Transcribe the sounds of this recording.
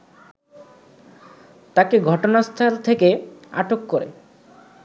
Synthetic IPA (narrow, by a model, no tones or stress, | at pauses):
t̪akeɡʱɔʈonast̪ʰalt̪ʰekea̰ʈokːoɾḛ